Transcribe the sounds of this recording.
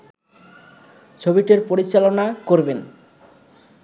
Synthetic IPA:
t͡ɕʰobiʈeɾpoɾit͡ɕalonakoɾben

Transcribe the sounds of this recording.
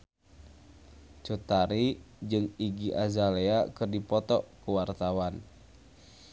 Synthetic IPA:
t͡ʃut̪aɾid͡ʒɨŋiɡiʔazaleakɨrdipɔt̪ɔkəwart̪awan

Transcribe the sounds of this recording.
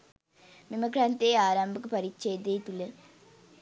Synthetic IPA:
mimɐɡɾaːnt̪eːaːɾaːmbʱɐkːɨpɐɾit͡ɕːeːd̪ejt̪ːulːe

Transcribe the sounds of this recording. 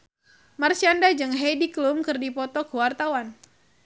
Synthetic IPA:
marsiandad͡ʒɨŋɦejdiklumkɨrdipɔt̪ɔkuwart̪awan

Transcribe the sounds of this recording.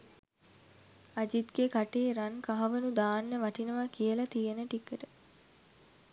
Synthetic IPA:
ad͡ʒit̪ɡekaʈeːɾaŋkaɦɐʋənud̪aːnːeʋɐʈinəʋakijəlɐt̪ijenəʈikːəʈə

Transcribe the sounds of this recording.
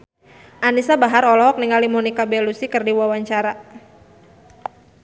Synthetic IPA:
ʔanisabaɦaɾɔlɔɦɔk̚niŋalimɔnikabɛlusikɨrdiwawaɲt͡ʃaɾa

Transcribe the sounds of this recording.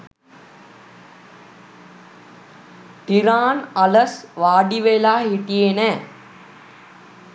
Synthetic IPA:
t̪iɾaːnɐləsʋaːɖiʋelaːɦiʈijenɛː

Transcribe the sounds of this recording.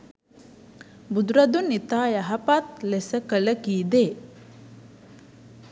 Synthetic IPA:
bud̪uɾɐd̪unːit̪aːjɐɦɐpat̪lesəkələkiːd̪eː

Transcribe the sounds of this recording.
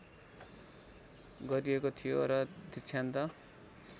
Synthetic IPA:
ɡʌɾiekot̪ʰijoɾʌd̪ʱit͡sʰant̪ʌ

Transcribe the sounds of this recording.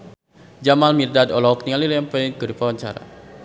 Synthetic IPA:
d͡ʒamalmird̪ad̪ɔlɔp̚niŋalilajampaliŋkədupawaɲt͡ʃa̰ɾa̰

